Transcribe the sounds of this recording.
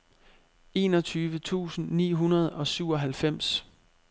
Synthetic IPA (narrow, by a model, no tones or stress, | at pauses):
e̝ːnɒ̽t͡sʰyːʋət͡sʰṵːsn̩nḭːɦunɐð̞ˠɒ̽syʊ̰ɒ̽ɦælfem̰s